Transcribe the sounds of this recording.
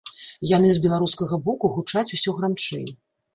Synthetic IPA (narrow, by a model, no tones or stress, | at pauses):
janɨzbʲɛlˠaɾuskɐɣɐbɔkuɣut͡ʂat͡sʲusʲɔɣɾamt͡ʂɛ̰j